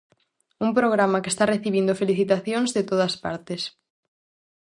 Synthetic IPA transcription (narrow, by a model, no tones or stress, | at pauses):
umpɾoɣ̞ɾamɐkest̪areθiβ̞ind̪ofeliθit̪aθjoŋzðet̪oðɐspa̰ɾt̪es